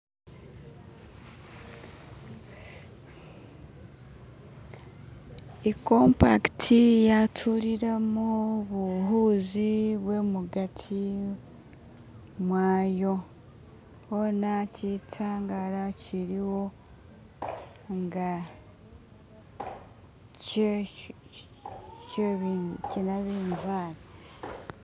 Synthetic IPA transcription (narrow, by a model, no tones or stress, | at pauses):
ekompa̰ktʰijatʰuɾiɾemoβuɦuːziβwe̞muɡatʰi | mwaːjo̞ | honacitʰaŋɡaɾaciɾiwo̞ | ŋɡa | ce | ccinaβiːnzaːɾa